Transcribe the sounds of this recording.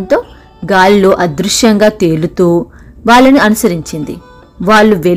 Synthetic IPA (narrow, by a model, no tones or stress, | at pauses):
nt̪o̞ː | ɡaːllo̞ːʔɐd̪ɾuʂjɐŋɡaːt̪e̞ːlut̪uːʋaːɭːɐniɐnusɐɾiɲt͡ʃind̪ḭ | ʋaːɭːuʋe